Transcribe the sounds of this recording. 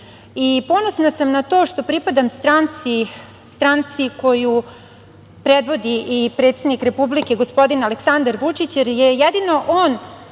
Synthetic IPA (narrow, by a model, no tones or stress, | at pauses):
ipo̞no̞snasamnat̪o̞ːʃt̪o̞pɾipad̪amst̪ɾant̪si | st̪ɾant̪siko̞ju | pɾed̪ʋo̞d̪iʔipɾet̪sed̪nikɾe̞publike̞ɡo̞spo̞d̪inaleksand̪aɾʋut͡ʂit͡ɕjeɾjejɛd̪ino̞ʔoːn